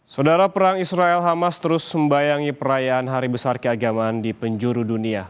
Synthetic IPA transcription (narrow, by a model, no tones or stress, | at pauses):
sawdaɾapəɾaŋisɾaɛlɦamast̪əɾʊsməmbajaŋipəɾajaanɦaɾibəsarkəaɡamaːndipəɲd͡ʒuɾudunia